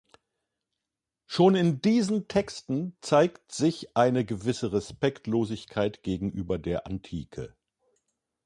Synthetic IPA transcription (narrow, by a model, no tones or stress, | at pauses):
ʃoːnɪndiːzn̩tʰɛkstn̩t͡saɪktz̥ɪçʔaɪnəɡəvɪsəʁɛspɛktloːzɪçkʰaɪtɡ̥eːɡŋ̩ʔyːbɐdeːɐʔantʰḭːkʰə